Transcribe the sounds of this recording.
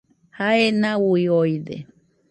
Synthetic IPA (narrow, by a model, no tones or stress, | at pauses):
haenãwuiojd̪ḛ